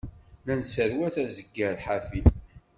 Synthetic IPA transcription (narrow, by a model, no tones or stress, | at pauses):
lænsəɾwæθæzəɡːəɾħafi